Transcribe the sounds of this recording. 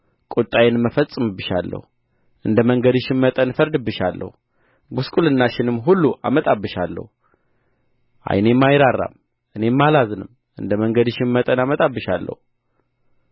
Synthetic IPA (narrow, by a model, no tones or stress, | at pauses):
kʼut̪ʼajɛnmːəfət͡sʼːɨmɨbɨʃa̰lːə̰hu | ʔɨnd̪əməŋɡəd̪ɨʃɪmmət̪ʼənfəɾd̪ɨbːɨʃalːə̰hu | ɡuskʼulɨnːaʃɪnɨmːɦulːuʔa̰mət̪ʼabːɨʃalːə̰hu | ʔa̰jne̞mːajɾarːa̰m | ʔɨne̞mːalazɨnɨm | ɨnd̪əməŋɡəd̪ɨʃɪnmət̪ʼənamət̪ʼabːɨʃalːə̰hu